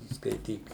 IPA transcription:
skɐɪˈtʲiːk

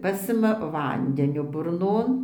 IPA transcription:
ˈpɑːsʲɪmɐ ˈʋɐnʲdʲɛnʲoː bʊrˈnoːn

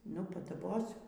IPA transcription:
ˈnʊ pɐdɐˈboːsʲʊ

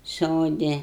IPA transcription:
ˈsoːdʲɪ

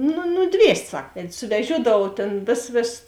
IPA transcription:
nʊ nʊˈdʲʋʲiɛsʲtʲ ˈsɐk ˈʋʲɛtʲ sʊʋʲɛˈʒʲuɔdɐʋuɔw tʲeːn ˈʋʲeːsɐs ˈʋʲeːsɐs

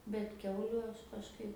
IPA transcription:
bʲɛt ˈkʲɛʊlʲʊ ˈɐʃ kɐʃˈkɐɪp

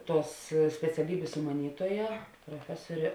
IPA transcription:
ˈtuɔs sʲpʲɛt͡sʲɛˈlʲiːbʲeːs sʊmɐˈnʲiːtuɔjɛ proːˈfʲæːsoːrʲeː

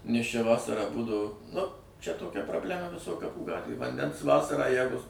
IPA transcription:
nʲɛs ˈt͡ʃʲɛ ˈʋɑːsɐrɑː ˈbuːdɐʋoː nʊ ˈt͡ʃʲɛ toːˈkʲɛ proːbʲˈlʲæːmɐ ʋʲɪˈsoːj kɐˈpuː ˈɡɑːtʲʋʲeːj ʋɐnʲˈdʲɛns ˈʋɑːsɐrɑː ˈjæːɡʊ

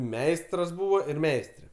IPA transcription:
ˈmʲɛɪstrɐs ˈbuːʋoː ɪr ˈmʲɛɪsʲtʲrʲɛ

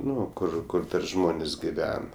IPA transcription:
ˈnʊ ˈkʊr ˈkʊr ˈʒmoːnʲeːsʲ ɡʲɪˈʋʲɛn

